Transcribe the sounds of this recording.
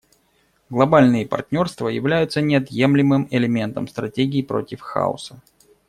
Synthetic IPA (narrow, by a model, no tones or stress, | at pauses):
ɡlˠɐbalʲnɨjəpɐ̰rtʲnʲo̞rst̪vəjɪvlʲæjʊt̪sənʲɪɐt̪je̞mlʲɪmɨmɪlʲɪmʲe̞nt̪əmst̪ɾɐtʲeɡʲɪːpɾo̞tʲɪfxa̰ʊ̰sə